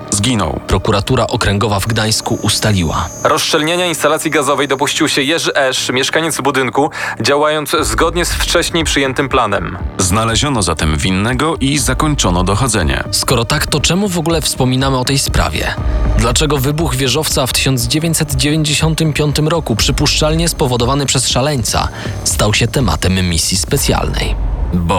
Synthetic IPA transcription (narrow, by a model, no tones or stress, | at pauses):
zɡʲinɔ̰wpɾɔkuɾat̪uɾaʔɔkɾɛŋɡɔvavɡd̪aj̃skuʔust̪alʲiwa̰ɾɔst͡ʂɛlɲeɲainst̪alat̪sʲjiɡazɔvɛjd̪ɔpuɕt͡ɕiwɕɛjɛʐɘʔɛʂmʲjɛʂkaɲɛd̪zvbud̪ɘŋkud͡ʑawajɔnt̪szɡɔd̪ɲɛsft͡ʂɛɕɲejpʂɘjɛnt̪ɘmplanɛmznalɛʑɔnɔzat̪ɛmvʲinːɛɡɔʔizakɔɲt͡ʂɔnɔd̪ɔxɔd̪zɛɲɛ̰skɔɾɔt̪akt̪ɔt͡ʂɛmuvɔɡulɛfspɔmʲinamɘɔt̪ɛjspɾa̰vʲjɛ̰d̪lat͡ʂɛɡɔvɘbuɣvʲjɛʐɔft̪saft̪ɘ̥ɕɔnd̪zd͡ʑevʲeɲt͡ɕsɛd̪d͡ʑevʲeɲd͡ʑeɕɔnt̪ɘmpʲjɔnt̪ɘmɾɔkupʂɘpuʂt͡ʂalɲɛspɔvɔd̪ɔvanɘpʂɛsʂalɛɲt̪sa̰ | st̪awɕɛt̪ɛma̰t̪ɛmːʲisʲjispɛt̪sʲja̰lnɛ̰jbɔ